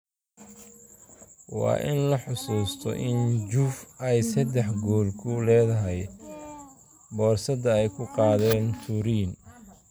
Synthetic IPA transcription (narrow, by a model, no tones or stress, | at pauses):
wɑ̰ːʔɪnlɐħʊsuːst̪ʰɔ̰ʔɪnd͡ʒuːfɛjsɐd̪ɛħɡɔːlkʰʊlɛːðɐɦɛj | bɔːrsɐd̪ɐɛjkʰʊqɑːðɛːnfuɾiːn